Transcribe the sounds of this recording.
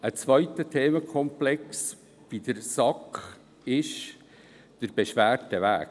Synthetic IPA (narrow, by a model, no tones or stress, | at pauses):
ət͡sʋœʏtətʰeːməkʰɔmplɛks | vid̥əɾsɑkχ | ɪʃ | d̥əɾb̥eʃʋæːrtəʋæ̰ːk̚